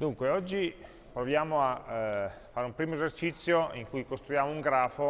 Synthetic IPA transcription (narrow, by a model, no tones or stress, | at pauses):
d̪uŋkweɔd͡ʒːi | pɾovjaːmoa | fːaːɾeumpɾiːmoezert͡ʃit̪sːjoiŋkujkost̪ɾujaːmouŋɡɾaːfo